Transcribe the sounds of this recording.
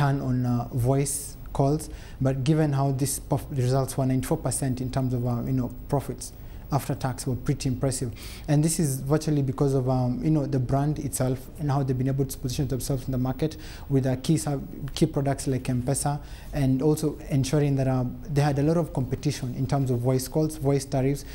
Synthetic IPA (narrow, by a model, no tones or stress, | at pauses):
tʰə̃nɔ̃nvɔɪs | kʰɔlˠz | bʌt̚ɡɪvɨ̃nɦaʊðispɹɪzʌlˠtswə˞nãɪ̃ntifɔɹpə˞sɛ̃ntɨ̃ntʰɜ̃˞mzɔvʌjnoʊpʰɹ̥ɔfɪts | aftə˞tʰækswə˞pʰɹ̥iɾiɪ̃mpɹ̥ɛsɪv | ɨ̃nðɪsɪzvɜ˞t͡ʃlˠibɨkɔzɔvʌjɨnoʊðəbɹæ̃ndɪtsɛlˠfɨ̃nhaʊðeɪvbĩneɪbəlˠtpɔzɪʃə̃nðə̃msɛlˠfz̃n̩ðəmaɹkɛt | wɪðʌkʰis | kʰipɹ̥ɔdək̚tslaɪkɛ̃mpɛsə | ɨ̃nɔlˠsoʊ | ɛ̃nʃuɹɪ̃ŋðɨɾʌðeɪɨdəlɔɾɔv̥kɔ̃mpɨtɪʃə̃nɪ̰̃ntʰɜ̃˞mzɔvwaɪskɔlˠzwaɪstaɹifs